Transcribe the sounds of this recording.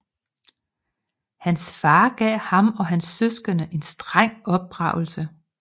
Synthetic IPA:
hænsfɑ̈ːɡ̥ɛ̰ːhɑ̈mɒ̽ɦænsːøsɡ̥ɐnəʔe̝nsd̥ʁaŋ̰ɒ̽b̥̚ʁɑ̈ʊ̰l̩sə

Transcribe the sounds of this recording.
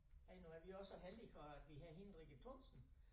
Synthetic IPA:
ænuæɐʋiɒ̽səɦeld̥ifɒæd̥ʋiɦæɐɦinʁiɡ̥ət͡sʰɔnsn̩

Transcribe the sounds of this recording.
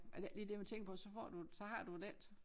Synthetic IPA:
æ̥liːd̥e̝mænt͡sʰeŋɡ̥əpʰɒ̽sɒ̽fɒ̰ːd̥usɒ̽ɦɑ̈d̥ud̥ed̥

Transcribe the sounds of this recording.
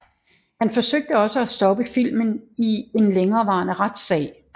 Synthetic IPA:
hænfɒ̽søɡ̥̚d̥əɒ̽səæsd̥ɒ̽b̥əfil̰mənie̝nleŋɐːʋɑ̈ːnəʁad̥sɛ̰ːɪ

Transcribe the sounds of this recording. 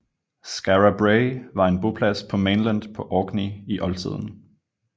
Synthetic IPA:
sɡ̥æʁæb̥ʁeɪʋɑ̈e̝nb̥o̝pʰlæspʰɒ̽menlænd̥pʰɒ̽ʔɒːɡ̥niiʔɒ̽lt͡sʰið̞̰ˠn̩

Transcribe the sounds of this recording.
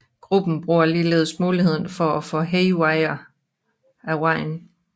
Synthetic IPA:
ɡ̥ʁub̥n̩b̥ʁuɐliːleːð̞̩ˠsmuːlihe̝ð̞̰ˠn̩fɒæfɔɦeɪwɑɪɐ | æʁɑ̈ɪ̰n

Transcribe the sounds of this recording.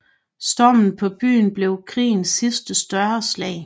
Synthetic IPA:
sd̥ɒmn̩pʰɒ̽b̥y̰ːn̩b̥le̝ʊkʰʁḭːnsːisd̥əsd̥ɶɐslɛ̰ɪ

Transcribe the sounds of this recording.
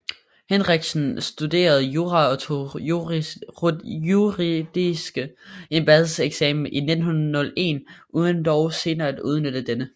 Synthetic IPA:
henʁeɡ̥sn̩sd̥ud̥e̝̰ːɐð̞̩ˠjuːʁɑ | uʁid̥isɡ̥əemb̥æðˠseɡ̥sɛ̰ːmn̩ʔine̝d̥n̩hunɐð̩ˠnɔ̽le̝̰nʔuːðˠənd̥ɒʊse̝ːnɐːæd̥uð̞ˠnød̥əd̥enə

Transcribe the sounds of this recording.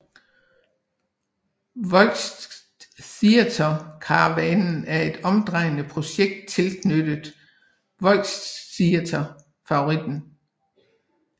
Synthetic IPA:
ʋɒlɡsd | siæt͡sʰɐkʰɑ̈ʋænn̩æɐe̝d̥ɒ̽md̥ʁɑ̈ɪ̰nəpʰʁo̝ɕeɡ̥̚d̥̚t͡sʰe̝ld̥nød̥əð̩ˠ | ʋɒ̽l̰ɡssiæt͡sʰɐ | fɑ̈o̝ʁid̥n̩

